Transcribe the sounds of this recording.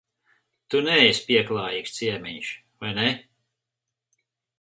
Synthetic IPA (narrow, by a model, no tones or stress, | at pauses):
t̪unɛsʲpʲiɛklˠɑːjiːkst̪siɛmiɲʃ | vajnɛ